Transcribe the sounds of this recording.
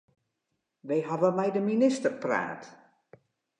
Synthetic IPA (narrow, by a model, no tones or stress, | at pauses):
ʋejɦavəmɛjdəminɪstərpra̰ːt